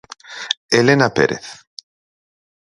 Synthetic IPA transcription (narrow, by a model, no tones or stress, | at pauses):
elenapḛɾḛθ